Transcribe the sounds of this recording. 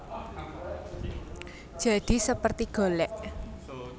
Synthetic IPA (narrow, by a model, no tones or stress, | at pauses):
ʒ̥aɖ̥i̤səpərt̪iɡ̥o̤lɛʔ